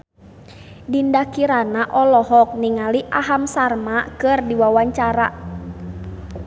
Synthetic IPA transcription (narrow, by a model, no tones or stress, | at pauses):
dindakiɾanaʔɔlɔɦɔk̚niŋaliʔaɦamsarmakɨrdiwawaɲt͡ʃaɾa